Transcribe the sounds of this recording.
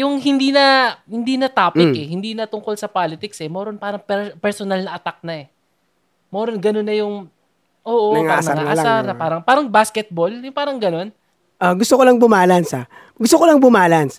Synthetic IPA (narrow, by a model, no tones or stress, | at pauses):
jʊŋɦɪnd̪iːnɐhɪnd̪iːnɐt̪aːpɪkɛɦɪnd̪iːnɐt̪ʊŋko̞lsɐpaːlɪt̪ɪksɛmɛɾonpaːɾɐŋpɛpɛɹsonalnɐʔɐt̪ak̚nɐɛ | mɛːɾonɡɐnonːɐjʊŋ | ʔoːʔoŋanɐŋaʔasanɐpaːɾɐŋpaːɾɐŋbaskɛt̪̚boljʊŋpaːɾɐŋɡɐno̞n | ʔoɡʊst̪okolaŋbʊmaːlansa | ɡʊst̪okolaŋbʊmaːlans